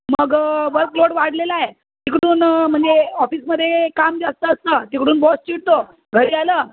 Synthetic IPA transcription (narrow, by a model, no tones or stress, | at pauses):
məɡʋəɾkloɽʋaɽ̤lelae | t̪ikɽuːnm̤əɳd͡zeɔfiːsməd̪ʱːekamd͡zast̪əːst̪ət̪ikɽuːnbɔst͡ɕiɽt̪o | ɡʱəɾiːaləː